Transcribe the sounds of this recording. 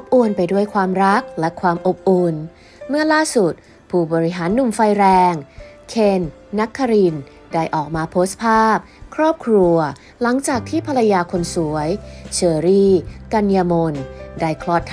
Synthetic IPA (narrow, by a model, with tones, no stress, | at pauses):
ʔo˨˦˥p̚ʔu˧npa˧jdu˥˩əjkʰwaː˧mɾa˦˥k̚lɛ˦˥kʰwaː˧mʔo˨˩p̚ʔu˧n | mɯ˥˩ɐlaː˥˩su˨˩t̪̚ | pʰuː˥˩bɔː˧ɾi˦˥ɦaː˩˦nːu˨˩mfa˧jɾɛː˧ŋ | kʰe˧nː | a˦˥kʰːa˧ɾi˧n | daː˥˩jʔɔː˨˩k̚maː˧pʰoː˦˥s̚pʰaː˥˩p̚kʰɾɔː˥˩p̚kʰɾu˧ɐ | la˩˦ŋt͡ɕaː˨˩k̚t̪ʰiː˥˩pʰa˧la˧jaː˧kʰo˧nsu˨˩˦ɐjt͡ɕʰɤː˧ɾiː˥˩ka˧njaː˧mo˧ndaː˥˩jkʰlɔː˥˩t̪ʰː